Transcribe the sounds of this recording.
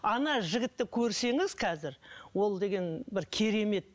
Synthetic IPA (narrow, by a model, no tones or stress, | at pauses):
ɑnɑʒɪɡʲɪt̪ːɪkʲʰɵɾse̞ŋɪzqʰɑzɪɾwo̞lˠd̪e̞ɡʲe̞nbɪɾkʲʰeɾe̞me̞t̪̚